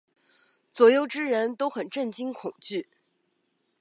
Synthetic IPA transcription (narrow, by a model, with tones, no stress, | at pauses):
t͡swɔ˧˥jo˧˥ʊʈ͡ʂɻ̩˥ɻə˧˥nt̪o˥ʊxə˨˩nʈ͡ʂə˥˩nt͡ɕi˥ŋkʰʊ˨˩ŋt͡ɕy˥˩